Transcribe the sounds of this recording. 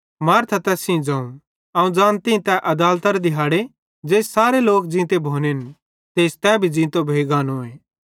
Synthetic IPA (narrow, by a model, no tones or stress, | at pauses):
maːɾt̪ʰat̪ɛsĩd͡zãːũ | aːũd͡zãːnt̪ĩt̪ɛʔɐd̪aːlt̪əɾd̪ɪɦaːɽe | d͡ʒeːssaːɾeloːk̚d͡zĩːt̪ebʱoːnen | t̪eːst̪ɛbʱid͡ʒĩːt̪obʱeːɡaːnõːeː